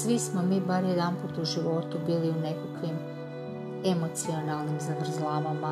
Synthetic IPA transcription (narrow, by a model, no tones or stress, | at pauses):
sʋismo̞miːbaɾjed̪anput̪uʒiʋo̞t̪ubiːliune̞kakʋim | e̞mo̞t̪sio̞nalˠnimzaɡɾ̩zlˠaːʋama